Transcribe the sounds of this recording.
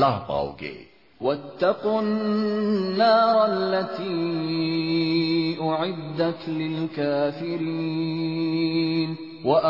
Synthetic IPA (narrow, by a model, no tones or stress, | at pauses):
lahbɑ̰wɡḛ | wat̪ːɑqu | nːaːɾˤalːat̪iː | ʔʊʕɪd̪ːaklɪlkaːfɪɾi | n | waʔ